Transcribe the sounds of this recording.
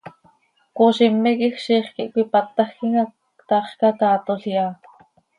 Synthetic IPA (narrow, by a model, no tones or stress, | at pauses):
kuʃimːikixʃiːχkiʔkʷipat̪ːɑxkiŋa | kt̪ɑχkɑkɑːt̪oɬjaː